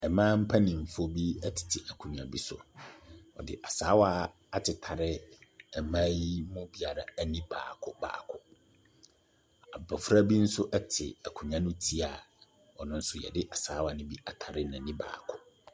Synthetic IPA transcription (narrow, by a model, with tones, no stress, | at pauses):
ɛ˨mãː˦m̩˦pʰa˦nɪ̃˨m̩˨fo˦bi˦ɛ˦tʰɪ̥˨tʰɪ˨ʔæ˨kʰũ˨ɲᶣ˨ã˨bi˦sʊ̰˨ | ɔ̰˨dɪ̰˨ʔa˨saː˨˦wa˦ | a˦tʰɪ˨tʰa˨ɾɪ˦ɛ˨mã˦jmʊ̃˦bi˦a˨ɾa˨æ˦nĩ˦ba̰ː˨kʰʊ˦ba̰ː˨kʰʊ˨ | a˨bɔ˨fɾa˦bi˦n̩˦sʊ˦ʔɛ˦tʰɪ̰˨a˨kʰũ˨ɲã˦nʊ̃˦tʰi˦a˨ | wɔ˨nʊ̃˦n̩˦sʊ˦jɛ̰˨dɪ˦ʔa˨saː˦wa˨nʊ̃˦bi˦a˨tʰa˨ɾɪ˦nã˨nĩ˦ba̰ː˨kʰʊ˦